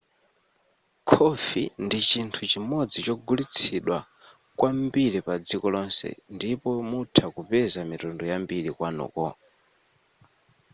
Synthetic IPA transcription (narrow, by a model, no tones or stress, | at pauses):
kʰɔfindit͡ʃintʰut͡ʃimɔd͡zit͡ʃɔɡulit͡sʰiɗwa | kwʔambiɾipad͡zikɔlɔnsɛ̰ndipɔmutʰakupɛzamitɔndɔjambiɾikwanṵːkɔ̰